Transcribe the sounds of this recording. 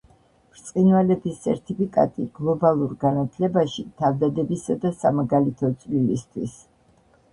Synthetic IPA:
ɾt̪sʼqʼinvalɛbisʰɛ̰ɾt̪ʰipʰikʼa̰t̪ʼiɡ̥lˠɔbalˠuɾɡanat̪ʰlɛbaʃit̪ʰavd̪ad̪ɛbisad̪asamaɡalit̪ʰɔt̪sʼlilist̪ʰwis

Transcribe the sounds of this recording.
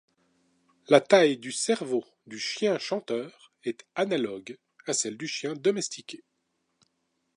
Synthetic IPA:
lat̪ajd̪ysɛʁvo | d̪yʃjɛ̃ʃɑ̃t̪œːʁ | ɛt̪analɔɡ | asɛld̪yʃjɛ̃d̪ɔmɛst̪ʰikʲe

